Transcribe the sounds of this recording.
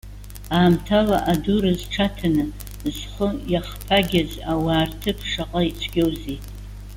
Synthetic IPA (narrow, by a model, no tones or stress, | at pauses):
aːmtʰalaʔaduɾazʈ͡ʂʰatʰanɨ | zχəjaχpʰaɡʲazawaːrtʰɨpʰʂaqʼait͡sʷʰɡʲowzejtʼ